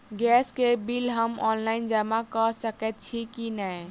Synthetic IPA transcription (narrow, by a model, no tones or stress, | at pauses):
ɡɛskebilɦəmɔ̰nlaɪnd͡ʒəmakəsəkɛt̪̚t͡ʃʰikinəj